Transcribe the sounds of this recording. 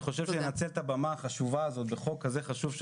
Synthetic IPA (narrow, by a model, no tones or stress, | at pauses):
χo̞ʃevʃenat͡selt̪abamaːχaʃuvaːzo̞t̪beχo̞kːaze̞χaʃuvʃ